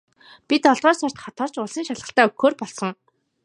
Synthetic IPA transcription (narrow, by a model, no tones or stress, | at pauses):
pit̪ɔɮt̪ɔːsar̥t̪χɔt̪ɔːrt͡ɕʊɮsiːŋʃaɮʁə̆ɬt̪æːɵkxoːrpɔɮsɞ̆ŋ